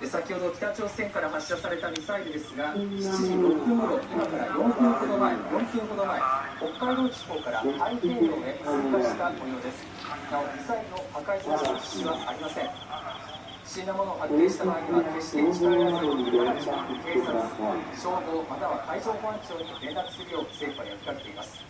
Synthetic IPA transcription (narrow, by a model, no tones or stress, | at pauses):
esakʲiho̞d̪o̞kʲi̥t̪at͡ɕo̞ːsẽ̞ŋkaɾaɦaɕːasaɾe̞t̪amʲisaiɾɯd̪e̞sɨɡai̥t͡ɕiʑiɾopʲɯ̟moɾo̞imakaɾajõ̞ŋkʲɯ̟̃ŋko̞d̪omaejõ̞ŋkʲɯ̟̃ːŋko̞d̪omaeo̞kːaid̪o̞ːkʲi̥ko̞ːkaɾa̰haikẽːɾod̪eakaɕi̥t̪akojo̞ːd̪e̞sɨ̥ | ɡ̪aaisainohakaisaɕḁɕiβaaɾʲimasẽ̞ɴ | ɕinomonoːɦakʲːẽɕi̥t̪amaːɾʲimaeɕi̥t̪et͡ɕi̥aɾazɯjoːɲiaaɾianke̞ːsaɨ̥ɕoːad̪o̞ːmat̪aβakʰaiʑo̞ːkoãɲt͡ɕo̞ːɲ̟iʔẽ̞nd̪akɯ̥sɨɾɯjo̞ːse̞ːkoajak̪i̥k̪aket̪o̞imasɨ̥